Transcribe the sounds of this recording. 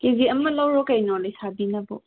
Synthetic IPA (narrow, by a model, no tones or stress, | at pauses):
keziəmɐlawɾɔkajnɔlejsʰabinɐbɔ̰